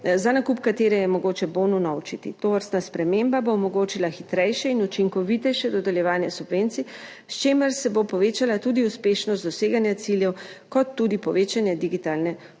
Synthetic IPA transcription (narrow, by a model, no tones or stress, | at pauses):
zanakupkat̪eːɾɛjɛmɔɡoːt͡ʃɛbonunawt͡ʃit̪ḭt̪oːʋəɾst̪naspɾɛmembaboːmɔɡoːt͡ʃilaxit̪ɾɛjʃɛinut͡ʃiŋkɔʋit̪ɛjʃɛd̪ɔd̪ɛljɛʋaːnjɛsubʋent̪si | st͡ʃeːməɾsɛbopɔʋeːt͡ʃalat̪uːd̪iuspeːʃnɔst̪d̪ɔseːɡanjat̪siljɛwkɔt̪ːud̪ipɔʋeːt͡ʃanjɛd̪iɡit̪alnɛ